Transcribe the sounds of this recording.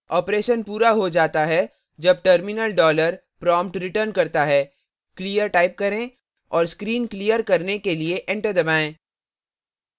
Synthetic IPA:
ɔːpɾeːʃənpuːɾaɦod͡ʒaːt̪aɦɛ | d͡ʒɐb̚ʈəɾmɪnəlɖɔːləɾ | pɾɔ̃ːmpʈɾɪʈəɾnkɐɾt̪aɦɛː | kliːjəɾʈaːɪp̚kɐɾẽ | ɔːɾskɾiːnklijəɾkɐɾnekelieʔɛ̃ɳʈəɾd̪ɐbaːẽː

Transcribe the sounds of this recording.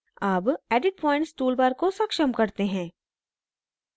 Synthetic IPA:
aːbɛːɖɪʈ̚pɔ̃ːɪ̃ɳʈsʈuːlbaːɾkosɐkʃəmkɐɾt̪eɦɛ̃ː

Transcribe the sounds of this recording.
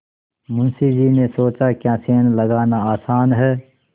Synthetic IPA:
mʊnsid͡ʒinesoːt͡ʃakjãːseːnləɡaːnaaːsaːnɦɛː

